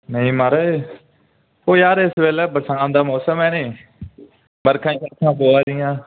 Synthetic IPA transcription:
nəĩːmaɾaeː | oːjaːɾɪsʋeːlɛːbəsaːnd̪aːmɔːsəmɛːneː | bəɾkʰãːiːkəɾkʰãːpoːaːd̪ɪjãː

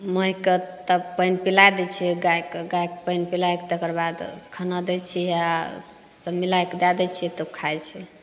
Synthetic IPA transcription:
məɦikət̪əbpəjnpilajd̪ɛt͡ʃʰɛɡajkɡajkpəjnpilajkt̪əkəɾbad̪kʰənad̪ɛt͡ʃʰija | səbmilajkd̪ad̪ɛt͡ʃʰɛt̪əkʰajt͡ʃʰɛ

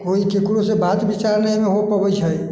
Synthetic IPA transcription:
koikekɽosebat̪bit͡ʃaɾnəimeɦopəbət͡ʃʰəj

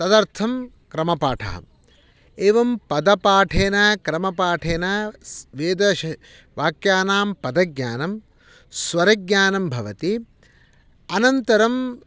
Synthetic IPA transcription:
t̪ɐd̪ɐɾt̪ʰɐm | kɾɐmɐpaːʈʰɐ̰ːɐ̰m | eːʋɐmpɐd̪ɐpaːʈʰeːnɐkɾɐmɐpaːʈʰeːnɐʋeːd̪ɐʃɐ | ʋaːkjaːnaːmpɐd̪ɐɡɲʲaːnɐm | sʋɐɾɐɡɲaːnɐmbʱɐʋɐt̪i | ɐnɐnt̪ɐɾɐm

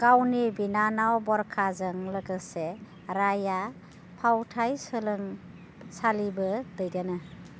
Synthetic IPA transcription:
ɡ̥awnibinanawbɔɾkʰazɯŋləɡɯse | ɾaja | pʰawtʰajsɯlɯŋ | salibɯdɯjdanɯ

